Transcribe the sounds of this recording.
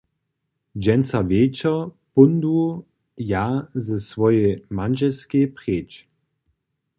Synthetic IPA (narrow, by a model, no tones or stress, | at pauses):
d͡ʒɛnsaveːt͡ʃɐ | pund̪u | jazɛsvɔjemanʒɛlskepʁeːt͡ʃ